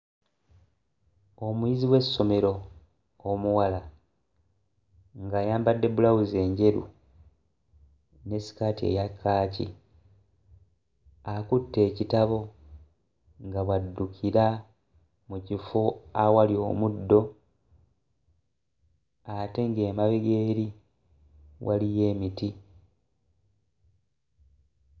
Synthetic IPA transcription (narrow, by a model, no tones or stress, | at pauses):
o̞mujiziwe̞sːo̞me̞ɾo̞ | omuwala | ŋɡaːjaːmbadːe̞bulawuze̞ːɲɟe̞ɾṵ | ne̞si̥katie̞̰jakʰːaːcḭ | akutːe̞ːcitaβo̞ | ŋɡaβwadːukʰiɾa | mucifoawalio̞mudːo̞ | ate̞ŋɡe̞ːmaβiɡe̞ːɾi | wʔalije̞ːmiti